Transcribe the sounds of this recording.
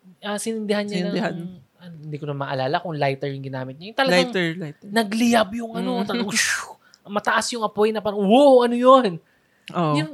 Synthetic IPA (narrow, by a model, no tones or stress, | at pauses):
ʔɐsɪnɪnd̪ɪhanɲɐnʔɐnhɪnd̪iːkoɐmaːʔɐlaːlɐkʊŋlajt̪ɛɹjʊŋɡɪnaːmɪt̪̚ɲajt̪ɐlɐaŋjtnɐɡlɪjɐbjʊŋʔɐno̞t̪ɐʃ | mɐt̪ɐʔasjʊŋʔɐpo̞jnɐpɐɾɐŋwoʔɐnojon | ʔoʔjʊn